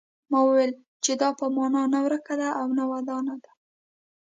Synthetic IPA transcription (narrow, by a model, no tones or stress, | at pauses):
mɑwəwel | t͡ʃed̪ɑpəmɑnɑnawɾəkad̪aʔawnawad̪ɑnad̪a